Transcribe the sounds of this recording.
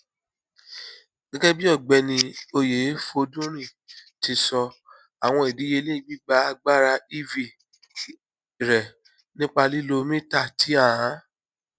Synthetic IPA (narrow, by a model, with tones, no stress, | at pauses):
ɡ̥ɛ˦ɡɛ˦bi˦ɔ˦˨ɡ͡bɛ˧nĩ˧o˧je˨˦fo˧dũ˦ɾ̃ĩ˦˨ | ti˧sɔ˧ | a˨w̃ɔ̃˧i˨di˨˦je˧˦le˦i˦˧˨bi˦ɡ͡ba˧˦a˧ɡ͡ba˦˨ɾa˧i˦vi˧˨ | ɾɛ˨ | nĩ˦k͡pa˧li˦lo˧mĩ˦ta˦˨ti˨˦a˦˨ã˨˦